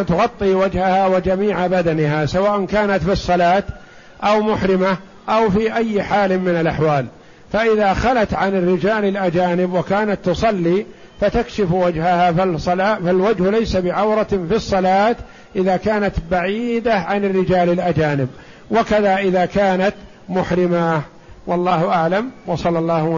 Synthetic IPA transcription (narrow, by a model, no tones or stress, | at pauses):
t̪ʊɣɑt̪ˤːiːwad͡ʒhahawad͡ʒamiːʕabad̪anɪɦasawaːʔankaːnat̪fisˤːɑlaːt̪ | ʔawmʊħɾɪma | ʔawfiʔajːħaːlmɪnalʔaħwaːl | faʔɪðaxalat̪ʕanɪrːɪd͡ʒaːlɪlʔad͡ʒaːnɪbwakaːnat̪ːʊsˤɑlːiː | fat̪akʃɪfwad͡ʒhahaːfasˤɑlaːfalwad͡ʒhlajsabɪʕawɾɑfisˤːɑlaːt̪ | ʔɪðaːkaːnat̪baʕiːd̪aʕanɪrːɪd͡ʒaːlɪlʔad͡ʒaːnɪb | wakaðaʔɪðaːkaːnat̪ | mʊħɾɪma | wɑlˤːɑːhʊʔaʕlamwɑsˤɑlːɑlˤːɑːh